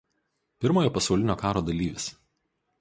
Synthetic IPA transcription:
pʲɪɾmoːjoːpɐsɒʊlʲɪnʲoːkɑːɾoːd̪ɐlʲiːʋʲɪs

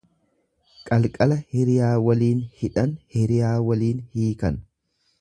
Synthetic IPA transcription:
kʼɐlkʼɐlɐhɪɾɪjaːwɐliːnhɪᶑɐnhɪɾɪjaːwɐliːnhiːkɐn

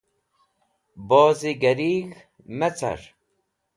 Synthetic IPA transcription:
bɔːziɡɐɾiːɣ | mɛt͡sɐ̰ɾ

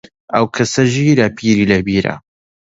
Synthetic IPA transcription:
ɐwkʰɐsɐʒiːɾɐpʰiːɾiːlɐbiːɾɐ̰

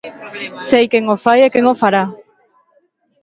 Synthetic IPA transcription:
sejkeŋofajekeŋofaɾa

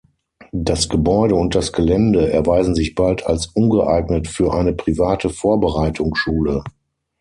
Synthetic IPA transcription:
d̥asɡ̥əbɔʏɾəʊnt̚d̥asɡ̥əlɛndəʔɛɐvaɪzn̩zɪçb̥altʰa̰lsʔʊnɡəʔaɪɡnətfyːɐʔaɪnəpʁ̥ivaːtʰəfoːɐbəʁaɪtʰʊŋʃuːlə

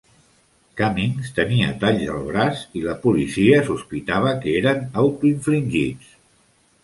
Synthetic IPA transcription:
kamiŋst̪əniə̰t̪aʎzə̰lˠβ̞ɾasiləpulisiəsuspit̪aβ̞əkəeɾənawt̪uiɱfliŋʲʒit͡s

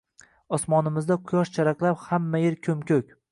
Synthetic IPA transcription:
ɒsmɒnɪmɪzd̪aqʰʊjɒʃt͡ʃʰaɾaqlˠaphamːajɪɾkʲʰɵmkʲɵkʲ

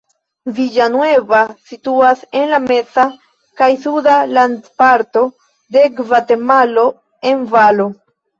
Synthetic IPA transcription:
vid͡ʒanwe̞vasituase̞nlame̞sa | kajsudalandpaɾto̞ | de̞ɡvate̞malo̞ | e̞nvalo

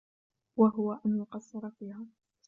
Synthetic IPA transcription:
waɦʊwaʔanjʊqɑd̪sˤːɑɾˤɑfiːhaː

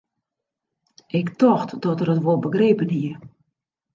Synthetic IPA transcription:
ʔɪktɔxtdɔtərətʋolˠbəɡreːpənɦiə

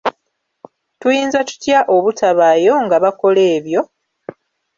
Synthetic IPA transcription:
tujiːnzatu̥tjaʔo̞βutʰaβaːjo̞ŋɡaβako̞le̞ːβjo̞

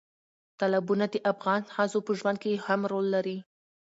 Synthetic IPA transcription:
t̪alabunad̪əʔafɣɑnhazopəʒwand̪̚kehamɾolːaɾi

